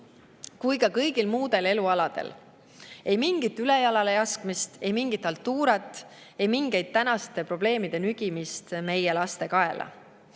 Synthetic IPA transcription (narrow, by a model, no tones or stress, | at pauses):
kujkɑkɤjɡ̥ilmuːd̪̥e̞le̞luɑlɑd̪̥e̞̰l | e̞jmiŋɡ̥it̪ːˑylejɑlɑlejɑskmist̪e̞jmiŋɡit̪ːˑɑlt̪ːuːɾɑt̪ːˑ | e̞jmiŋɡe̞jd̪̥̚t̪ːænɑst̪e̞pro̞b̥le̞ːmid̪̥e̞nyɡ̥imist̪me̞je̞lɑst̪e̞kɑe̞lʔɑ̰